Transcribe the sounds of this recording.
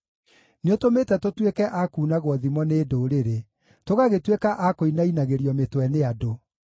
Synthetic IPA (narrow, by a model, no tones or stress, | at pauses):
neotometɛtotwekɛʔakuːnaɣwɔðimɔneːdoːɾeɾe | toɣaɣetwekaʔakoinainaɣeɾiɔmetwɛneado